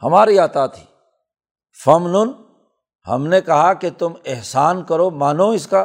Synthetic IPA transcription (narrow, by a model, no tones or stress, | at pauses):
hɐmaːɾiaːt̪at̪ʰi̥̰ː | fɐmnʊn | ɦɐ̰mnekɐɦaket̪ʊmɪɦsaːnkɐɾomaːnõɪska